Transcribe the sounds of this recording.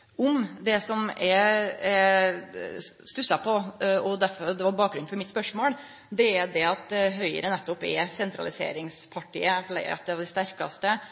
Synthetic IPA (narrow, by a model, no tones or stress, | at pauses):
ɔmd̪ɛsɔmɛɾɛ | st̪ʉsɑpʰɔɔd̪æɾfɔɾd̪ɛʋɑɾbɑːk̚ɡɾʉnfɔɾmɪt̪spœʂmoːɽ | d̪ɛæɾd̪ɛɑt̪̚ɦœʏə̰ɾənɛt̪ːɔpɛ̰sɛnt̪ɾɑ̰lɪsḛːɾɪŋspʰɑʈḭːəfɭɛ̰ɑ̰t̪̚d̪ɛʋd̪ɛst̪æɾkɑst̪ə